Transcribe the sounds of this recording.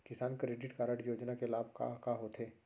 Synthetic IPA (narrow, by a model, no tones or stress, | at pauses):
kɪsaːnkɾeːɖɪʈkaːɾəʈjoːd͡ʒnakelaːbʱka̰kaɦoːt̪ʰɦeː